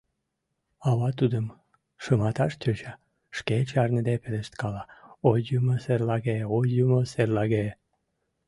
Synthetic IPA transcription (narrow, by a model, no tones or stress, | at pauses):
ɑβɑt̪ud̪əm | ʃəmɑt̪ɑʃt̪ʲøt͡ɕɑ | ʃket͡ɕɑrnəd̪epeleʃt̪kɑlɑojːumoserlɑɣeojːumoserlɑɣe